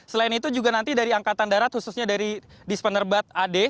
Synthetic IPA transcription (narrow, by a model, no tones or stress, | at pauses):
səlainit̪ud͡ʒuɡanant̪idaɾiaŋkat̪andaɾat̪̚hususɲadaɾidispənərbat̪̚ade